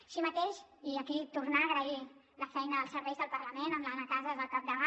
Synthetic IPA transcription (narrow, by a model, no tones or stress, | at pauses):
ʃimət̪eʃiəkit̪urnaːɣɾəi | ləfɛjnəðəlˠsəɾβɛjzðəlˠpəɾləmenəmlənət̪azəzðəlˠkap̚d̪əβa